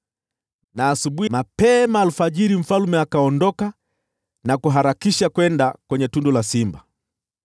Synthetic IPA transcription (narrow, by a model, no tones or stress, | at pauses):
naːsuɓuimapɛmaːlufaʄiɾim̩falumɛakaɔndɔka | nakuɦaɾakiʃakwɛndakwɛɲɛtundɔlasimba